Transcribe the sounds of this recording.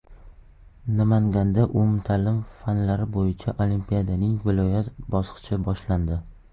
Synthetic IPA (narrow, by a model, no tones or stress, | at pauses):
namaŋɡʲand̪aʔʊmt̪ʰalɪmfanlaɾɪbojɪt͡ʃʰaʔolimpʰijad̪anɪŋvɪlˠɒjat̪bɒsqɨ̥t͡ʃʰɪbɒʃland̪ɪ